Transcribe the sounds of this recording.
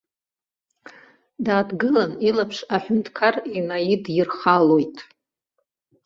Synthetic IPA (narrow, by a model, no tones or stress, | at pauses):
daːdɡɨlanilapʰʂaħᶣʊntʰʼkʰarinajidjirχalojtʼ